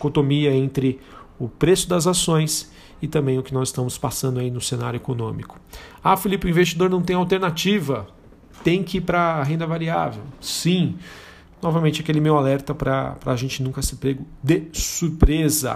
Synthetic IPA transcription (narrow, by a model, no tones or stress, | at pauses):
kot̪omiɐẽnt̪ɾɪʊpɾesʊd̪ɐzasõj̃s | ɪt̪ɐ̃mbẽj̃ʊkɪnɔzɪst̪ɐ̃mʊspasɐ̃nd̪ʊainʊsena̰ɾjʊekonõmikʊ̥afilipɪʊ̃ĩvest͡ʃid̪oɾnɐ̃w̃t̪ẽj̃awt̪eɾnat͡ʃivɐ | t̪ẽj̃kɪipɾɐɦẽnd̪ɐvaɾia̰vḛwsĩ | nɔvɐmẽnt͡ʃakelɪmewalɛɾt̪ɐpɾɐ̰pɾɐ̰ːʒẽnt͡ʃɪnũkɐsɪpɾeɡʊd̪ɪsuɾpɾezɐ̰